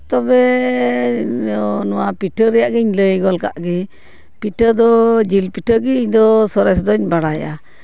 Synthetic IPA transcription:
t̪ɔbɛ | nɔwapiʈəɾɛjaʔɡəɲləjɡɔlka̰ʔɡɛ | piʈəɾd̪ɔd͡ʒilpiʈəɾɡɛiɲd̪ɔsɔɾɛsd̪ɔɲbaɽaja̰

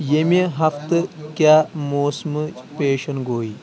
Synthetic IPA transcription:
jemiɦɐft̪ɨkʲjaːmoːsmɨt͡ʃpeːʃɐnɡoːi

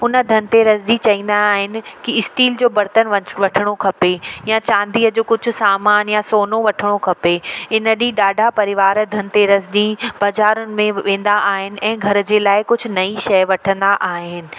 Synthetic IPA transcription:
ʊnəd̪ʱɐnɪ̆t̪eɾɐzʄit͡ɕɐĩːn̆d̪aːɦɪnɪ̆kiɪsʈiːld͡ʑoːbɐɾt̪ənʋɐʈʰɪɽ̃okʰɐpejãt͡ɕãːnd̪iːəd͡ʑoːkʊd͡ʑʱʊ̆saːmaːnjasoːnoʋɐʈʰɪɽ̃okʰɐpeɪnəɗiɗaːɖʱapɐɾɪʋaːɾd̪ʱɐnɪ̆t̪eɾɐzd͡ʑĩb̥ɐzaːɾʊnɪ̆mẽʋẽːnd̪aʔaːɦɪnɪ̆ʔɛ̃ːɡʱɐɾd͡ʑeːlaːɪkʊd͡ʑʱʊ̆nɐiʃɐjʋɐʈʰə̃nd̪aʔaːɦɪnɪ̆

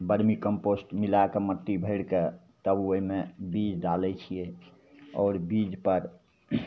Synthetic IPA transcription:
bəɾmikəmposʈmilakemət̪ːibʱəɪɽke | t̪əbəɦimebid͡ʒɖalɛt͡ʃʰije | ɔːɾbid͡ʒpəɾ

